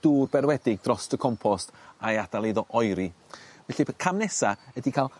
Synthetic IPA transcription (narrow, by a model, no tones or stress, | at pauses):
d̥uːrbɛrwɛdɪɡ̚d̥rɔstəkʰɔmpʰɔstajad̥alˠeðɔʔɔjɾivɛɬipkʰamnɛsaədikʰalˠ